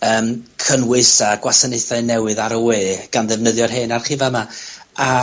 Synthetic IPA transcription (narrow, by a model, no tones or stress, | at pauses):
əːmkʰənwɨsaɡ̥wasənejθaɨnɛwɨðaɾəweːɡ̥anðɛvnəðjɔrɦeːnarχiːvamaa